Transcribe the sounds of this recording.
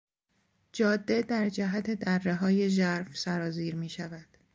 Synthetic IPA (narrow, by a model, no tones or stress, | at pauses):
d͡ʒɒːd̪ːe̞d̪æɾd͡ʒæɦæt̪ʰe̞d̪ærːe̞ɦɒːje̞ʒæɾfsæɾɒːziːɾmiːʃævæd̪̥